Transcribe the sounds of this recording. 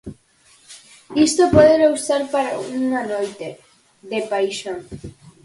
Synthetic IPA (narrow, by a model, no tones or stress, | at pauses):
ist̪opoðeɾawst̪aɾpaɾa̰uŋanojt̪e | d̪epajʃõŋ